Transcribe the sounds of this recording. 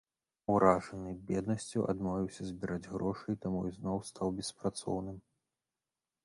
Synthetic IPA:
wɾaʐɐnɨbʲɛd̪nɐsʲt͡sʲuʔa̰d̪mɔvʲiwsʲɐzʲbʲiɾad͡zʲɣɾɔʂɨjt̪amuiznɔwst̪ʰawbʲɛspɾat̪sɔ̰wnɨm

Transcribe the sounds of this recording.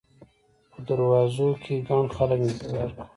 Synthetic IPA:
pəd̪aɾwɑzokʰeɡɑnxaləknɪzwaɾku̥

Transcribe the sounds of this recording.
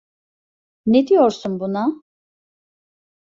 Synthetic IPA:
ned̪ijoɾsunbuna

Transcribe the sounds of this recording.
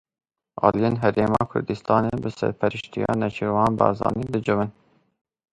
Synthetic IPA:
ɑːlijeːnɦɛɾeːmɑːkʰʊ̰ɾd̪ɨst̪ɑːneːbɨsɛ̰ɾpʰɛɾɨʃt̪ijɑ̰ːnɛt͡ʃʰewɑːnbɑːzɑ̰ːniːd̪ɨd͡ʒɨvɨn

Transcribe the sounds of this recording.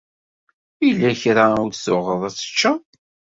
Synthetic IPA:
jlːæçɾauɾsʊʁəðˤæt͡sːə̥t͡ʃːa

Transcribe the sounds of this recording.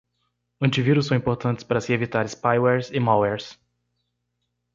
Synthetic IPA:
ɐ̃nt͡ʃiviɾʊs̬ɐ̃w̃ĩmpoɾt̪ɐ̃nt̪ɪ̥spaɾɐsɪevit̪aɾɪspajwɛɾzɪmawɛɾs

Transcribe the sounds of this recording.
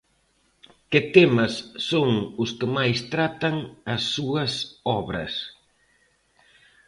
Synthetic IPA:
kɪt̪emɐsːoŋʊskɪmajst̪ɾat̪ɐŋɐsːuɐsɔβɾɐ̰s

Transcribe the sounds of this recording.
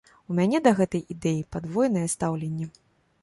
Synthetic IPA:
umʲanʲɛd̪ɐɣɛt̪ɐjid̪ɛjipad̪vɔjnɐjɛst̪awlʲenʲːɛ

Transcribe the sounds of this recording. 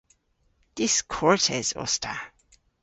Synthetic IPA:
d̪̥ɪskʰɔɹtʰɛz̥ɔ̰stʰa

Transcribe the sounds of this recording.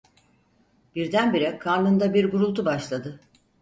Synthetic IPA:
b̥iɾd̪ænbiɾɛkʰaɾlˠɯnd̪abiɾɡuɾulˠt̪ubaʃlˠad̪ɯ

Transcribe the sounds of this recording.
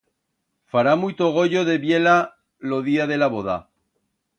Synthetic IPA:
faɾamujt̪oɣ̞o̞ʝoðe̞βje̞la | loðiaðe̞laβoða

